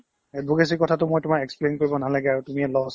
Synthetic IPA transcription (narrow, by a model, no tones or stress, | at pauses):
ɛbuɡes̬ikɔtʰatʊmojtʊmakɛksplenkoɹibɔnalaɡɛaɹutumiɛlɔs